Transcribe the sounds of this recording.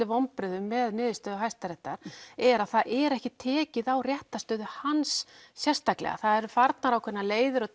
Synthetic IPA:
ɪvɔmpɾʏðʏmɛðnɪːðɪst̪œːðʏɦajst̪aɾɛht̪ːaɾ̥ɛɾaðθaðʔɛɾɛhcɪt̪ʰɛːcɪðawrjɛht̪ast̪œːðʏhansːjɛr̥st̪aklɛ̰ɣa̰θaðɛɾʏfaɾt̪naɾawkʰvɛɾnaleːjðʏɾɔ

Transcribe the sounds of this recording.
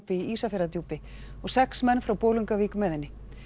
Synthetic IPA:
pɪiiːsafɛɾðat̪juːpɪ | ɔɣsɛksmɛnːfɾawpoːwlʏŋkaviːkʏmɛːðɪnːɪ

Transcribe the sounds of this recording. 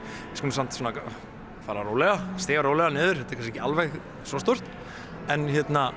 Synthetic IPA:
ɪskɔmsan̥t̪sɔnak | faːɾaɾoːwlɛɣast̪ɪːɣaɾoːwlɛɣanɪːðʏɾ̥hɛt̪ḁɾkʰasɛcɪalvejɣ | sɔst̪owr̥t̪ | ɛnçjɛt̪na

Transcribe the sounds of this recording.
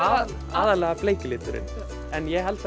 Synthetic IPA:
aːðalɛːɣapleːjcɪlɪːt̪ʏɾɪ̰n | ɛnjɛɦɛlt̪

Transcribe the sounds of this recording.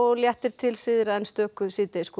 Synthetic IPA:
ɔɣljɛht̪ɪɾ̥t̪ʰɪlsɪðɾaɛnst̪œːkʏsɪt̪ejsk

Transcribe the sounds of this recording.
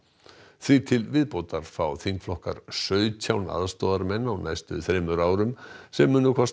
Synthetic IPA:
θvit̪ʰɪlvɪðpoːwt̪aɾ̥fawθiŋkflɔhka̰ɾ̥sœːɥc̪ʰawna̰ðst̪oːðaɾmɛnːawnajst̪ʏθɾeːmʏɾaːwɾʏmsɛmːʏːnʏkʰɔs

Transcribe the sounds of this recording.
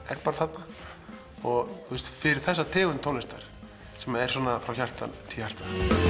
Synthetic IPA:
ɛ̰ɾpaːɾaθat̪na | ɔɣtθʰust̪fɪɾɪɾ̥θɛsːat̪ʰɛːɣʏnt̪ʰownɪst̪aɾ̥ | sɛmaɛɾ̥sɔːnafɾawçar̥t̪a̰nt̪ʰiçḁt̪an

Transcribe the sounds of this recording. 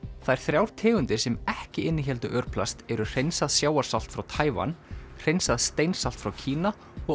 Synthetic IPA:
θajɾ̥θɾjawɾ̥t̪ʰɛːɣʏnt̪ɪɾ̥sɛmɛhcɪʔɪnːɪçɛlt̪ʏʔœɾpʰlast̪ɛɾʏr̥ejnsaðsjaːwaɾ̥sal̥t̪fɾawt̪ʰaːjva̰nr̥ejnsaðst̪ejnsal̥t̪fɾawcʰiːna | ɔ

